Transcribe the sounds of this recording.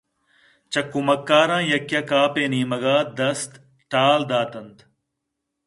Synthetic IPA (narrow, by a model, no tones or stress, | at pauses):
t͡ʃɐkːumɐkːaːɾãːjɐkjɐkaːpeːnĩːmɐɡaːd̪ɐst̪ | ʈaːld̪aːt̪ɐnt̪